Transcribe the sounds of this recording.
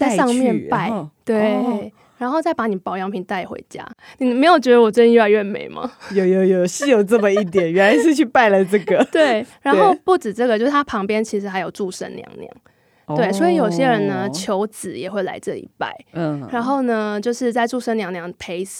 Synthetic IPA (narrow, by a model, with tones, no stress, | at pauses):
t͡sa˥˧ɪʂɑ˥˧ŋmjɛ˥˨npa˥˩ɪt̪we˥ɪ | ɻa˧˥nxo˥˧ʊt͡sa˥˩ɪpa˧˥ni˨˩pɑ˨˦ʊjɑ˧ŋpʰi˧˥ŋt̪a˥˩ɪxwḛ˧˥˦ɪt͡ɕja̰˥ni˨˩˨me˧˥ɪjo˨˩ʊt͡ɕɥɛ˧d̪ə˧wɔ˨˩t͡st͡ɕi˥˧ɥa˧˦ɥɛ˥˩nmḛ˨˦ɪma̰˨jo˨jo˨˩jo˨˩˨ɕi˥jo˨˩ʊʈ͡ʂə˥˩mə˨i˥˩t̪̬jɛ˨˩˦nɥɛ˧˥nla˧˥ɪʂ̬ɻ̩˥˧t͡ɕʰy˥˧pa˥˩ɪlə˨ʈ͡ʂɤ˥˩ɡ̪ə˩t̪we˥˩ɪɻa˧˦nxo˥˧ʊpu˥˩ʈ͡ʂɻ̩˨˩ʈ͡ʂɤ˥˩ɡə˩t͡ɕjo˥˧ʂ̩˥˩t̪ʰa˥pʰɑ˧˥ŋpjɛ˥nt͡ɕʰi˧˥ʂɻ̩˧˥xa˧˥ɪjo˨˩ʊʈ͡ʂu˥˧ʂə̰˥nljɑ̰˧˥ŋnjɑ̰˩˦ŋ | t̪we˥˩ɪswɔ˧˥i˨˩jo˨˩ʊɕjɛ˦˥ɻə˧˦nnə˧t͡ɕʰjo˧˥ʊt͡sɹ̩˨˩jɛ˨˩xwe˥˩ɪla˧˥ɪʈ͡ʂɤ˥˩lḭ˨˩pa̰˥˩ɪɻa˨˧˥nxo˥˩ʊnə˦t͡ɕjo˥˧ʊʂɻ̩˥˧t͡sa˥˧ɪʈ͡ʂu˥˧ʂə˥nljɑ˧˥ŋnjɑ˨˥ŋpʰe˥ɪs